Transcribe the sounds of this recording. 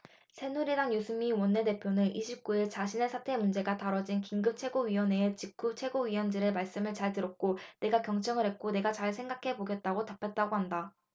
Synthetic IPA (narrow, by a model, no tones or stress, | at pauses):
sʰe̞nuɾidaŋjusʰɯmːiwʌnːe̞de̞pʰjonɯnʔiɕʰip̚k͈uiɭt͡ɕaɕʰine̞sʰatʰe̞mund͡ʑe̞ɡataɾʌd͡ʑinkiŋɡɯp̚t͡ɕʰwe̞ɡoɥiwʌneːt͡ɕik̚k͈ʰut͡ɕʰe̞ɡoɥiwʌnd͡ʑiɾɯmaɭs͈ɯmɯɭt͡ɕaɭtɯɾʌk̚k͈one̞ɡakjʌŋt͡ɕ͈ʌŋɯɾɦe̞t̚k͈one̞ɡat͡ɕaɭsʰe̞ŋɡakʰe̞boɡe̞t̚t͈aɡotapʰet̚t͈aɡoɦanda